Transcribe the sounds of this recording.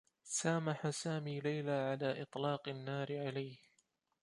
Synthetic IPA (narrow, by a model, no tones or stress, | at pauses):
saːmaħasaːmiːlajlaːʕalaːʔɪt̪ˤlɑːqɪnːaːɾɪʕalajh